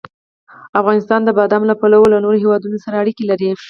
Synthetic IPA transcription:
afɣɑnɪst̪ɑnd̪əbɑd̪amlapalawolanoɾoɦewɑd̪unosaɾaːɽikelaɾi

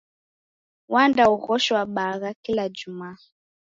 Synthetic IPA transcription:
wandauɣɔʃɔwaɓaɣakilad͡ʒumaː

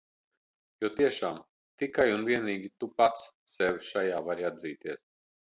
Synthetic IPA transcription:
juɔt̪iɛʃaːm | t̪ikajunvʲiɛniːɡʲit̪upat̪sːɛvʃajaːvaɾiad̪ziːt̪iɛs

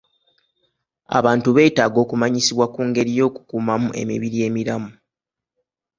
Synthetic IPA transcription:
a̰βaːntuβe̞ːtaːɡo̞ːkumaɲisiβwakuːŋɡe̞ɾijo̞ːku̥kuːmamuʔe̞̰mḭβiɾije̞ːmiɾamu

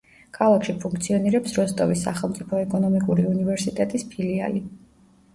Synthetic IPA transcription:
kʰalˠakʃipʰuŋkʰt̪sʰiɔniɾɛpsɾɔst̪ʼɔvisa̰χɛlˠmt̪sʼipʰɔɛkʼɔnɔmikʼuɾiunivɛɾsit̪ʼɛt̪ʼispʰilia̰li

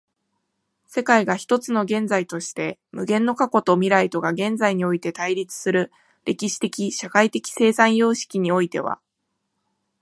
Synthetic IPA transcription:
se̞kaiɡaçi̥t̪o̞t͡sɨno̞ɡẽ̞nd͡zait̪o̞ɕi̥t̪e̞mɯ̟ɡẽ̞nːo̞kako̞t̪o̞mʲiɾait̪o̞ɡaɡẽ̞nd͡zaiɲ̟io̞it̪e̞t̪aiɾʲit͡sɨ̥sɨɾɯ̟ | ɾʔe̞kʲiɕi̥t̪e̞kʲiɕakait̪e̞kʲi̥se̞ːsãɰ̃jo̞ːɕi̥kʲiɲ̟io̞it̪e̞̰β̞a̰

